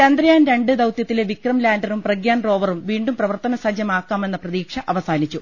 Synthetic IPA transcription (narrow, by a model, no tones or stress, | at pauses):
ɐnd̪rɐjaːnɾe̞ɳɖɨd̪ɐwt̪jɐt̪ːileʋikrɐmlaːndɐrumprɐɡjaːnro̞ːʋɐrumʋiːɳɖumprɐʋɐrt̪ɐnɐsɐd͡ʑjɐmaːkːaːme̞nːɐprɐðiːkʂɐʔɐʋɐsaːnit͡ɕːu